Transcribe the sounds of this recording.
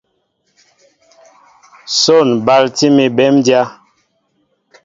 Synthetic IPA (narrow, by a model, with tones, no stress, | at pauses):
so˦˨nba˦lti˦mi˨bɛ˦mdja˦